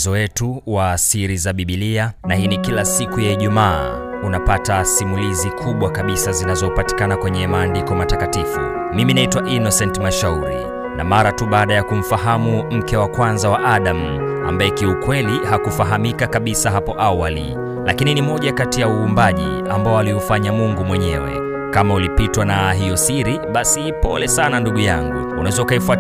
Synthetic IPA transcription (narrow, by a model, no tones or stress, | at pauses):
zɔwɛtuwaːsiɾizaɓiɓilia | nahinikilasikujaiʄumaː | unapatasimulizikʰuɓwakaɓisazinazɔupati̥kanakwɛɲɛmaːndikɔmatakatifṵ | miminaitwaʔinɔsɛntmaʃauɾḭ | namaɾatuɓaːɗajakum̩faɦamum̩kɛwakwanzawaʔaɗam | a̰mbaɛkiukwɛlihakufaɦamikakaɓisaɦapɔʔawalḭ | lakininimɔʄakatijauːmbaʄḭ | ambaɔaliufaɲamuŋɡumwɛɲɛ̰wɛ̰ | kamaulipitwanaɦijɔsiɾiɓasipɔ̰lɛsananduɠujaŋɡṵunaɛzɔukaifa